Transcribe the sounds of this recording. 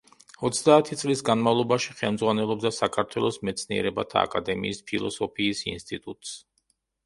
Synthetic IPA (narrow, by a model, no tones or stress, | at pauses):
ɔt̪sʰd̪aːt̪ʰit̪sʼlisɡanmavlˠɔbaʃiχɛlˠmd̪zʁwanɛlˠɔb̚d̪asakʰaɾt̪ʰwɛlˠɔsmɛt̪sʰniɛ̰ɾɛbat̪ʰa̰ːkʼad̪ɛmḭːspʰilˠɔ̰sɔpʰiːsinst̪ʼit̪ʼut̪ʼs